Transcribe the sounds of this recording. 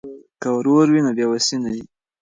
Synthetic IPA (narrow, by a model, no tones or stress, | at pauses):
kawɾoɾwinobjɑwasinaji